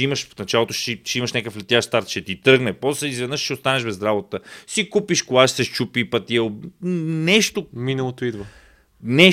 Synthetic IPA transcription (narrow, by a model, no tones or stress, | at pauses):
iməʃnɐt͡ʃalˠot̪oʃiʃɛiməʃnʲakəflɛt̪jaʃst̪aɾt̪ʃɛt̪it̪əɾɡnɛpɔslɛizvɛd̪nəʃʃiost̪anɛʃbɛzɾabot̪əsikupiʃkolˠaʃsɛʃt͡ʃupipɐt̪iɛ | nɛʃt̪ominəlˠot̪oid̪və | nɛ